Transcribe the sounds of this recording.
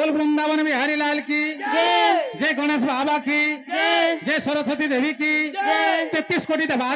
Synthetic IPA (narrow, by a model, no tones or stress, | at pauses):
olbɾund̪abɔnbiɦaɾilaelki | d͡ʒeɡɔñesbʱabaki | d͡ʒesɔɾɔt͡ʃʰɔt̪id̪ʱebiki | t̪et̪ːiskoʈid̪eba